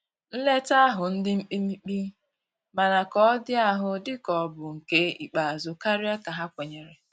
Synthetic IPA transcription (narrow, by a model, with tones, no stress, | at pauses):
n̩˦le˦ta˦a˦ɦʊ˨n̩˦dɪ˦m̩˦k͡pi˦mi˦k͡pi˦ | ma˨na˨kɔ˦dɪ˦a˦ɦʊ˦dɪ˦kɔ˨bʊ˨ŋ̩˨ke˦i˨k͡pa˨a˨zʊ˨ka˦ɾɪ˦a˦ka˨ɦa˦kʷe˨ɲe˨ɾe˨